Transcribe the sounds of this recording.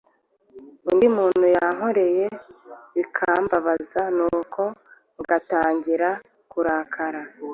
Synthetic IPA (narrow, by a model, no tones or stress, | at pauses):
indimuːn̥hujaŋo̞ɾe̞je̞βikʰaːmbaβazanuːkʰo̞ | iɡataːɲɟiɾa | kuɾaːkʰaɾa